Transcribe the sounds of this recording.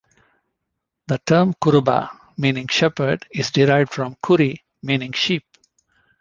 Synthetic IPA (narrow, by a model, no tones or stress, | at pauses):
d̪əʈʰəɾmkʊɾba̰ | mĩːnɪ̃ŋʃɛpəɾɖɪzɖɪɾaɪʋɖfɾɔ̃mkʰʊɾi | mĩːnɪ̃ŋɡʃiːp̚